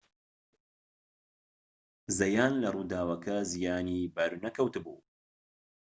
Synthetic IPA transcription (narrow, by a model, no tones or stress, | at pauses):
zɐjaːnlɐruːd̪aːwɐkɐzijaːnibɐɾunɐkɐwt̪ɨbṵː